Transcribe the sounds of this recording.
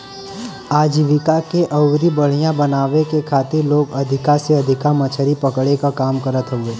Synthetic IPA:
aːd͡ʒiʋɪkakeʔɐwɾibəɽ̤ijãbɐnaːʋekekʰaːt̪ɪɾloːɡɐd̪ʱɪkaseɐd̪ʱɪkamɐt͡ʃʰəɾipɐkɽekakaːmkəɾət̪ɦɛ̃ɡeː

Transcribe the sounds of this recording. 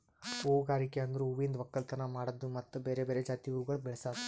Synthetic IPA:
oːɡaːɾikeɐnd̪ɐɾuuʋind̪ʋɐkːɐlt̪ɐnɐmaːɽɐd̪ːumɐt̪ːubeːɾebeːɾed͡ʒaːt̪iuɾuɡɐɭubɛɭɐsaːd̪u

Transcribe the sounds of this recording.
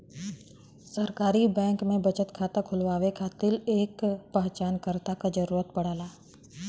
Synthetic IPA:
səɾkaːɾibɛ̃ːŋkmẽbɐt͡ʃət̪kʰaːt̪akʰʊlʋaːʋekʰaːt̪ɪleːkpɐɦt͡ʃaːnkəɾt̪akad͡ʒɐɾuːɾət̪̚pɐɽ̤aːlaː

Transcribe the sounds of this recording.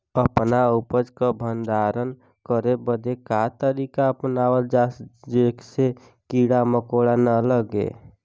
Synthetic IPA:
əpnaupəd͡ʒkəbʱənd̪aɾən | kəɾebəd̪ekat̪əɾikaəpnawəld͡ʒasd͡ʒekse | kiɽaməkoɽanələɡḛ

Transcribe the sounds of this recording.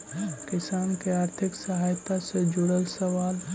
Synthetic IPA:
ɦkɪsaːnkeaːɾt̪ʰɪksəɦaːjt̪ased͡ʒʊɽəlsəʋaːlɦ

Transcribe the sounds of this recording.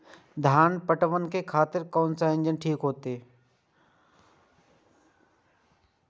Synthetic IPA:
d̪ʱjaːnpəʈəʋənkekʰaːt̪ɪɾkoːnsaːɪ̃nd͡ʒənʈʰiːkɦoːt̪eː

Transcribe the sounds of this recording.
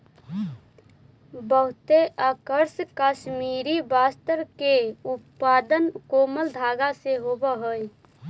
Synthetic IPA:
bəɦʊt̪eʔəkəɾskəʃmiɾibast̪əɾkeutpaːd̪ənkoːməld̪ʱaɡaseɦobəɦoj

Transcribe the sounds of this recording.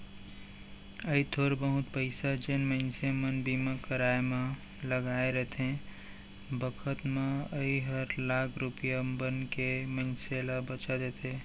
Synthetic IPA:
əit̪ʰoɾbəɦʊt̪pəɪsad͡ʒenməɪnsemənbimãkəɾaemẽ | ləɡaeɾəɦt̪ẽ | bəkʰət̪mẽəiɦəɾlakʰɾupjambənkeməɪnselabət͡ʃad̪et̪ʰe

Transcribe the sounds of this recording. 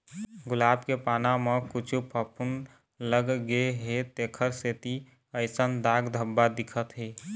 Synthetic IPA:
ɡʊlaːbkepaːnamekʊt͡ʃʰupʰəpʰʊn | ləɡɡeɦet̪eːkʰəɾseːt̪i | əɪsənd̪aːɡd̪ʱəbːad̪ɪkʰət̪ɦeː

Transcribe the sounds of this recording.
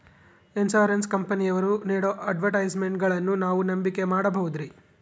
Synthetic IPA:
ensoːɾɐnskɐmpɐnijɐʋɐɾuniːɽoʔɐʈʋɐʈɐjd͡ʒme̞ɳʈɡɐɭɐnːunaːʋunɐmbike̞maːɽɐbɐɣud̪ɾi

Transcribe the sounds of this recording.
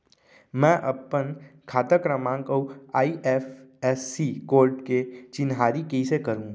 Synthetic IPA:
mɛ̃ʔəpənkʰaːt̪əkɾəmãːŋkəwaːiʔefesːikoːɾʈket͡ʃɪnɦaːɾikeisekəɾũ

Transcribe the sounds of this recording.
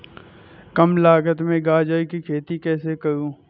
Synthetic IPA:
kəmlaːɡət̪mẽɡaːd͡ʒaːikikʰeːt̪ikɛːsekəɾũː

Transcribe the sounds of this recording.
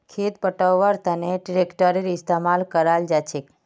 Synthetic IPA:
kʰet̪pəʈəwʋaɾt̪əneʈɾekʈəɾeɾɪst̪amalkəɾald͡ʒat͡ʃʰek

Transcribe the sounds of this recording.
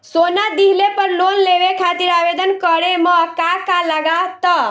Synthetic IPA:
sonad̪iɦlepəɾlonleʋekʰat̪iɾabed̪ənkəɾemə̃kakaləɡat̪ə

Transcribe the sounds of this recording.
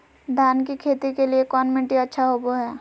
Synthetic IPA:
b̪ʱjaːnkikʰeːt̪ikeliekɔːnmɪ̃ɳʈiɐtːʃʰaɦoːboɦɛː

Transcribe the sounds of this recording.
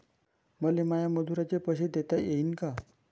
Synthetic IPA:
məlemajaməd̪ʱuɾat͡ɕepəɕed̪et̪ajeinka

